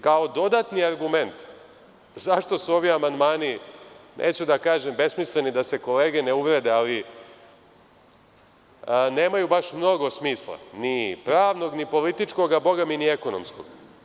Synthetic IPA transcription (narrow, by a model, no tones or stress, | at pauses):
kaod̪o̞d̪at̪niaɾɡume̞nt̪ | zaʃt̪o̞suo̞ʋiamand̪maːninʔḛːt͡ɕud̪akaːʒembe̞smislenid̪ase̞ko̞le̞ːɡe̞neuʋɾed̪eali | ne̞ːmajubaʃmno̞ɡo̞smiːslˠa̰nipɾaːʋno̞ɡnipo̞lit̪it͡ʃko̞ɡabo̞ɡaminieko̞nomsko̰ɡ̥